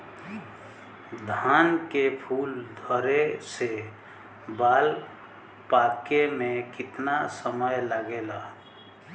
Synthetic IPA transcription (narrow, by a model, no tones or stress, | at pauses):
d̪ʱaːnkepʰuːld̪ʱɔɾese | baːl | pakemẽkɪt̪nasəməjləɡela